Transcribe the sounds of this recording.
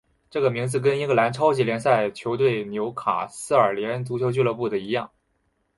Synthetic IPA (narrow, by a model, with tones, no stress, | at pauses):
ʈ͡ʂɤ˥˩ɡə˩mi˧˥ŋd͡zɹ̩˧k̬ə˥ni˥ŋɡə˥˩la˧˥nʈ͡ʂʰɑ˥ʊt͡ɕi˧˥ljɛ˧˥nsa˥˩ɪt͡ɕʰjo˧˥ʊt̪̬we˥˩ɪnjo˧˥ʊkʰa̰˨˩sɹ̩˥ə˞˨˩ljɛ˧˥nt͡su˧˥t͡ɕʰjt͡ɕy˥˧lɤ˥˧pu˥˩d̪ə˩i˧˥jɑ˥˩ŋ